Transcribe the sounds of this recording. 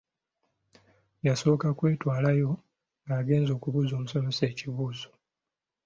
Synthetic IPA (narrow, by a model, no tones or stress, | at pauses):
jaso̞ːkakwe̞ːtwaːlajo̞ | ŋɡaːɡe̞ːnzo̞ːkuβuzo̞ːmuso̞me̞se̞ːciβuːzo̞